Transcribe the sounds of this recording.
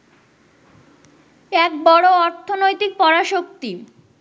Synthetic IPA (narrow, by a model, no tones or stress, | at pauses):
ɛk̚bɔɽoɔɾt̪ʰonojt̪ik̚pɔɽaʃok̚t̪i